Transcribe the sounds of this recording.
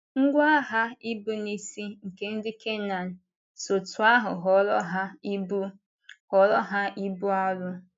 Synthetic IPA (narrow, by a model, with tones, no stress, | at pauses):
ŋ̩˦ɡʷa˦a˦ɦa˦i˦bu˦ni˨si˦ŋ̩˨ke˦n̩˦dɪ˦ke˦na˨n̩˨ | so˨tʊ˨a˦ɦʊ˨ɦɔ˨ɾɔ̰˦ɦa˦i˦bu˦ | hɔ˨ɾɔ˦ɦa˦i˦bu˦a˦ɾʊ˦